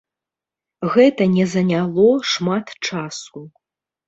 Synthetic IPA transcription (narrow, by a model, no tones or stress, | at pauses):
ɣɛt̪ɐnʲɛzɐnʲalˠɔʂmat̪t͡ʂasu